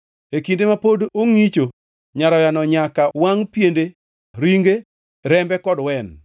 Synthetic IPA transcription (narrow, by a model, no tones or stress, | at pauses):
ekindemapodoŋit͡ʃo | ɲaɾɔjanɔɲakawaŋpjende | ɾiŋɡe | ɾɛmbɛkɔdwɛn